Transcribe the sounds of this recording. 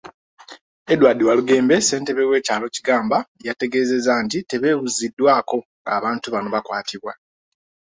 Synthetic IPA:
e̞dwaːdiwaluɡe̞ːmbe̞se̞ːnte̞βe̞we̞ːcaːlo̞ciɡaːmbajate̞ɡe̞ːze̞zantite̞βe̞ːβuzidːwaːko̞ŋɡaːβaːntuβano̞βakwaːtʰiβwa

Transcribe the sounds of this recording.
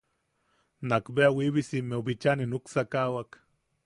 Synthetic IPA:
nakbeawiβisimeubit͡ʃaninuksakawak

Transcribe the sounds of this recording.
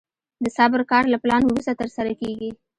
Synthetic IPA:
d̪əsɑbɪɾkɑɾlaplɑnwɾust̪at̪əɾsaɾakeɡi

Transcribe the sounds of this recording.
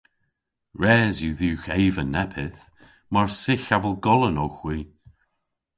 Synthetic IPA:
ɹɛːzjuðuːxejvənɛpʰɪθ | maɹsɪxavəlˠɡɔlˠənowxwiː

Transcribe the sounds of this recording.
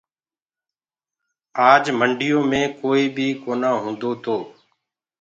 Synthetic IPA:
aːd͡ʒməɳɖʱɪjoːmẽːkoːiːbʱiːkoːnãːɦũːnd̪oːt̪ʰoː

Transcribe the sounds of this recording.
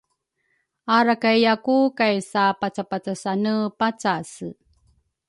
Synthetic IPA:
aɾakajjakukajsapat͡sapat͡sasanəpat͡sasɨ

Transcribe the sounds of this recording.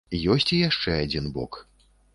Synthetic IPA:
jɔsʲt͡sʲijaʂt͡ʂɛad͡zʲinbɔ̰k

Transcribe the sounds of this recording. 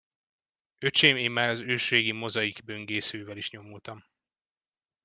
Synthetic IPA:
øt͡ʃeːmeːmːaːɾɒzøːʃreːɡimo̞zɒjiɡbø̞ŋɡeːsøːvɛliʃɲo̞mult̪ɒm

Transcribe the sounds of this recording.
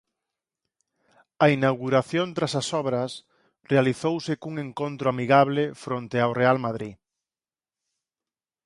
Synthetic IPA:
ɐinawɣuɾaθjõnt̪ɾasasɔβɾɐs | realiθowsekuŋẽŋkõnt̪ɾoamiɣaβlefɾont̪eawrealmaðɾi

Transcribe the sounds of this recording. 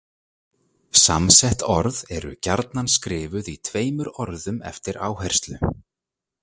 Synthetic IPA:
samsɛht̪ɔɾðɛɾʏ̰caɾt̪nanskɾɪːvʏðit̪ʰveːjmʏɾɔɾðʏmɛ̰ft̪ɪɾaːwɦajr̥st̪lʏ

